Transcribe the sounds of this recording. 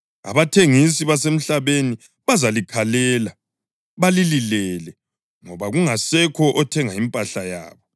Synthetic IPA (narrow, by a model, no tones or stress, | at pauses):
a̰βatʰeŋis̬iβasem̩ɬaβeni | βazalikʰalɛːla | βalililɛlɛ | ŋɔβaɣuŋasɛkʰɔʔɔtʰɛŋaimpʼaɬaja̰ːβɔ